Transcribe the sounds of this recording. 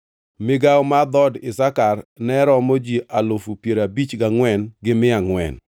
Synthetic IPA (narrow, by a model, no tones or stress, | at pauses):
mɪɡawmad̪ɔdɪsakarnɛɾɔmod͡ʒiʔalofupjeɾabit͡ʃɡaŋwɛnɡɪmɪaŋwɛ̰n